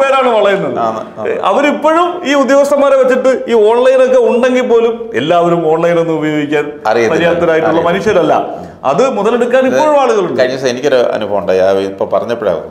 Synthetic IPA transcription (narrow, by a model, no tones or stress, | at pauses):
ʋeːɾaːɳɨʋɐɭɐjenːɐð | ɐ̰ʋɐnipːo̞ɻumiːud̪joːɐst̪ɐmːaːɾeʋɐt͡ɕːiʈːɨiːo̞ːɳlɐjnokːe̞uɳɖe̞ŋɡilpːo̞ːlume̞̰lːaːʋɐɾumo̞ːɳlɐjne̞nːɨubɐjo̞ːɡikʲːaːn | ɐ̰rijɐɐɾijaːt̪ːɐɾaːjiʈːuɭːɐmɐnuɕjɐɾɐlːɐ̰ | ɐ̰ðɨmuðɐleɽukːaːnipːoːɻumaːɭuɣɐɭuɳɖɐɻiɲːɐsenikʲːoɾuɐ̰nubʱɐʋuɳɖaːjapːoɭpɐrɐɲːɐpːeɽa̰ːɣɐ̰